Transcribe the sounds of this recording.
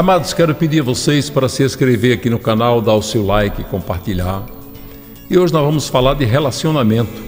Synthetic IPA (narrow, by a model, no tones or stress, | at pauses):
amad̪ʊskɛɾʊpɪd̪iɾavosejspaɾɐsɪeskɾeveɾakinʊkanawd̪aʊsewlajkɪɪkõpaɾt̪iʎaɾ | ɪoʒɪnɔzvɐ̃mʊsfalaɾd̪ɪɦelasionamẽnt̪ʊ̥